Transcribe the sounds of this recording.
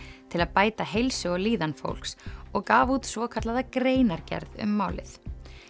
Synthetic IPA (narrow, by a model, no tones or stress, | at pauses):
t̪ʰɪlaðpaːjt̪aɦejlsʏɔliːðanfo̰wl̥ksɔɣkaːvut̪svɔːkʰat̪laðakɾeːjnaɾcɛ̰ɾðʏ̰mːaːwlɪ̰θ